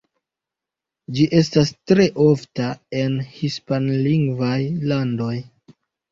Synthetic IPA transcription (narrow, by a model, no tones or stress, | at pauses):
d͡ʒiʔe̞stastɾe̞ʔo̞ftae̞nhispanliŋɡvajlando̞j